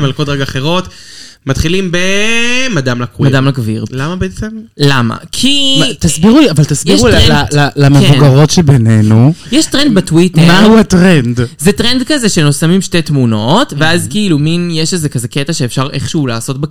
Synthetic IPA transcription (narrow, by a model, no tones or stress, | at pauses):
malkotʁeɡaːχeʁo̞tmat̪χilimbemadamlakimadamlakviʁlamabeɛt͡semlama̰kʰimt̪asbiʁuavalt̪asbjiʁulalalamevuɡaʁo̞tʃebenenujeʃtʁend̪batwitmauatʁendzetʁendkaze̞ʃe̞no̞samimʃte̞jtmuno̞tve̞azkiiluminjeʃezekaze̞ketaʃeːfʃaʁeχʃeulaːso̞t̚be